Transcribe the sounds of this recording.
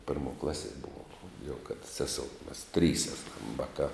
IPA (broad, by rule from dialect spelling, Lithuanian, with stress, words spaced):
ˈpʲɪrmoː ˈklˠɑːˌsʲiɛ ˈbʊʋoːm jɛʊ kɐt ˈsʲæːˌsoːʊ mɐs ˈtʲrʲiːs ˈæːˌsɐm ˈʋɑːˌkɑː